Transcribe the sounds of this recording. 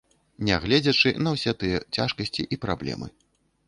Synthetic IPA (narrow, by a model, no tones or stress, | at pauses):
nʲɛɣlʲɛd͡zʲɐt͡ʂɨnɐwsʲɛt̪ɨjɛt͡sʲaʂkɐsʲt͡sʲiʔipɾablʲɛ̰mɨ̰